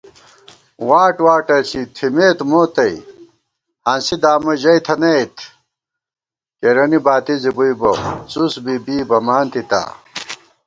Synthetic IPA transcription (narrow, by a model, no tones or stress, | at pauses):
waːʈwaːʈɐɾt͡ɕʰit̪ʰimeːt̪moːt̪ɐi | hansid̪aːmɐʑɐit̪ʰɐnejt̪ʰ | keɾɐnibaːt̪izibujbo̰t͡susbibiːbɐmaːnt̪it̪a̰ː